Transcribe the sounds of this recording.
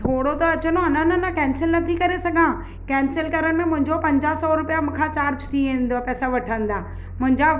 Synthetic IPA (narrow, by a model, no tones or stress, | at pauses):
t̪ʰoːɽot̪oɐt͡ɕənoɐnanɐnɐkɛ̃ːnsɪlnɐt̪ʰikɐɾesɐɡʱãː | kɛ̃ːnsɪlkɐɾəɽ̃ɪ̆mẽmʊ̃ɦɪ̃ɲd͡ʑopɐ̃ɲd͡ʑaːsɔːɾʊpijam̃kʰãt͡ɕaːɾd͡ʑt̪ʰiʋẽːnd̪oapɛːsaʋɐʈʰə̃n̆d̪aː | mʊ̃ɦɪ̃ɲd͡ʑa